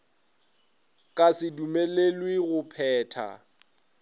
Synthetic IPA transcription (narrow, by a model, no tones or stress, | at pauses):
kʼasɪdumelelwɪɣʊpʰɛːtʰa̰